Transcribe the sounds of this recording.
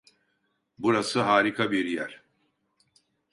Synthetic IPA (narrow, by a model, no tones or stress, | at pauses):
buɾasɯɦaːɾikʰabiɾjæɾ̥